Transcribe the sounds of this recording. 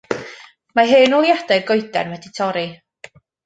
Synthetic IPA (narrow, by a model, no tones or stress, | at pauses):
maɦɨːnɔlˠjad̥ɛjrɡɔjdɛ̰nwɛditʰɔɾi